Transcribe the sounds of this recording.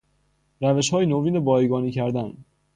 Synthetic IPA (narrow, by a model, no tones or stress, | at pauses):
ɾæveʃhɒːjinoviːnebɒːiɡɒːniːcʰæɾd̪æn